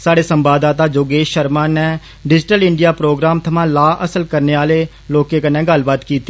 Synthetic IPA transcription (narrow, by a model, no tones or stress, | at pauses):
saːɽeːsəmbaːd̪aːt̪aːd͡ʒoːɡeːʃʃəɾmãːnɛː | ɖɪd͡ʒɪʈəlɪɳɖijaːpɾoːɡɾaːmt̪ʰəmãːlaːʔəsəlkəɾneːaːleː | loːkeːkənːɛ̃ːɡəlbaːt̪kiːt̪i̥ː